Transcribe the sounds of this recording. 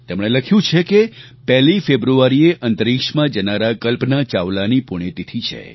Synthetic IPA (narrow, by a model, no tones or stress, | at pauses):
t̪emɽ̃eləkʰjũt͡ʃʰeke | pɛɦlifebɾuaɾieʔənt̪əɾikʃmãd͡ʒənaɾakəlpnat͡ʃaʋlanipʊɽ̃et̪it̪ʰit͡ʃʰḛ